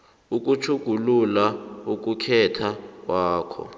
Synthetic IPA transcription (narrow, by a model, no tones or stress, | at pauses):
uk̬ʼut͡ʃʰuɡ̥ʱululauk̬ukʰɛtʰak̬waːkʰɔ̰